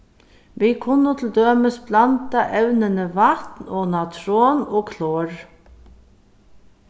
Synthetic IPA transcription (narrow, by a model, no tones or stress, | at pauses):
ʋikʰʊnːʊt̪ʰɪld̪øːməsblant̪aʔɛwnənəʋat̪nɔnat̪ʰɾoːnɔːkʰlɔːɹ